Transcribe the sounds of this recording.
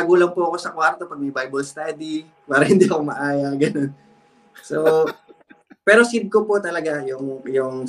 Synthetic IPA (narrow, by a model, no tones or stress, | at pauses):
ɐɡuːlɐŋpoʔɐko̞sɐkwaɾt̪o̞pɐɡ̚mɐjbajbɐlst̪ad̪i | paːɾɐhɪnd̪iʔɐkomɐʔaːjɐɡɐno̞n | so | pɛːɾo̞sid̪̚kopot̪ɐlɐɡajʊŋjʊŋ